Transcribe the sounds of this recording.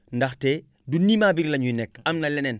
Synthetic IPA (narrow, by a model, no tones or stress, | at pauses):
ndaxteː | dunːimaːbiɾlɐɲunekamnɐlenen